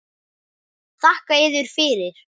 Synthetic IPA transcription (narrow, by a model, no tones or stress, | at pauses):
θahkaɪðʏɾ̥fɪːɾɪɾ̥